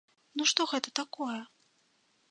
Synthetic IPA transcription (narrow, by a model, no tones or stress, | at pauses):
nuʂt̪ɔɣɛt̪ɐt̪akɔjɐ